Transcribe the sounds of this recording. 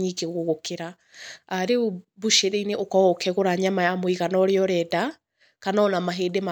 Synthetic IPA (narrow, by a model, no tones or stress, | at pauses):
ɲikeɣoɣokeɾa | aɾebuʃeɾeineʔɔkɔɣokʰɛɣoɾaɲamajamwiɣanɔɾeɔɾɛda | kanaɔnamaɦeːdema